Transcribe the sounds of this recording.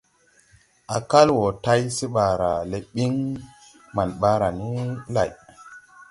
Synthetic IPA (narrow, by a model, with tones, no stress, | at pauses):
a˨ka˦lwo˨ta˦jsi˦ɓa˨ɾa̰˨le˨ɓi˦ŋ | ma˨nɓa˦ɾa˨ni˦la̰˨j